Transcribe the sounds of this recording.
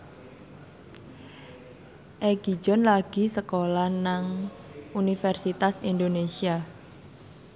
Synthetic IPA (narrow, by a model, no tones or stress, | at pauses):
ʔeɡ̥i̥d͡ʒɔ̤nlaɡ̥i̤səkolanaŋ | unifɛrsit̪asind̪onesia